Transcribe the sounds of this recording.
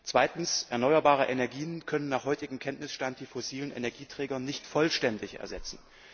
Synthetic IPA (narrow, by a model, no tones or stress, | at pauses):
t͡sv̥aɪtn̩sʔɛɐnɔʏɐbaːʁ̞əʔenɛɐɡiːənkʰœnənːaːχhɔʏtɪɡm̩kʰɛntnɪsʃtant̚d̥iːfosiːlənʔḛnɛɐɡiːtʁ̥ɛːɡɐnɪçtfɔlʃtɛndɪçɛ̰ɐzɛt͡sn̩